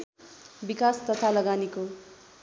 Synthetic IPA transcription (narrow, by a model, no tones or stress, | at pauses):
bikast̪ʌt̪ʰalʌɡaniko